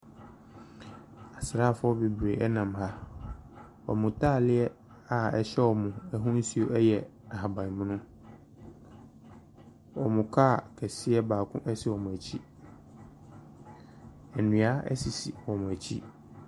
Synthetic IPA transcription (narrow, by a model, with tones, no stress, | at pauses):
a˨sɾaː˦˨fʊ˦ɔ˦be˨bɾe˨ʔɛ˦nã˨mha˦ | ɔ̰˨mʊ̃˨tʰaː˦˨lɪ˦ɛ˦ | a˨ɛ˨ɕɛ˦wɔ˨mʊ̃˨æ˨ɦʊ̃˦n̩˦si˦o˦ʔɛ˦jɛ˨a˨ɦa˨bã˨mʊ̃˦nʊ̃˦ | wɔ̰˨mʊ̃˨kʰaː˦˨kʰɛ˨sɪ˦ɛ˦baː˨kʰʊ̰̃˦ʔɛ˦sɪ˨wɔ˨mʊ̃˨æ˨t͡ɕʰi˦ | ɛ˨nũ˨a˦ɛ̰˦si˨si˨wɔ˨m̃˨æ˨t͡ɕʰḭ˦